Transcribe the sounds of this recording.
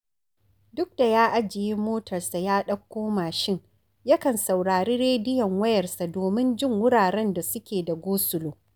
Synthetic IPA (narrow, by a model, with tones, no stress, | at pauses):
dʊ˦k̚d̥a˨jaː˦ʔa˦d͡ʒɪ˨ji˦moː˦tʰɐ˨rsa˨jaː˦ɗɐ˦kːoː˦maː˨ʃɪ˦ŋ | jɐ˦kɐ˨nsa˨wɽaː˨ɾeː˦ɽeː˦dɪ˦jɐ˨ŋwɐ˦jɐ˨rsa˨doː˨mɪ˦nd͡ʒɪ˦ŋwʊ˦ɽaː˨ɽɛ˦nda˨sʊ˦kʲeː˨da˨ɡʷoː˦sʊ˨loː˨